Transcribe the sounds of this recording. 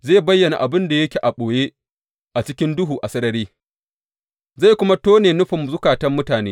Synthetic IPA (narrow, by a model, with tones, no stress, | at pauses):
zeː˦˨bɐ˦jːɐ˨na̰˨ʔa˨bɪ˦nda˨jɐ˦kʲe˨ʔa˨ɓoː˨jeː˦ | ʔa˨t͡ʃɪ˦kʲɪ˦ndʊ˦ɦuː˨ʔa˨sɐ˦ɾɐ˦ɾeː˦ | za˦˨kʷʊ˦ma˦toː˦neː˨nʊ˦ɸɪ˨mzʊ˦kaː˨tɐ˦mːʊ˦taː˨neː˦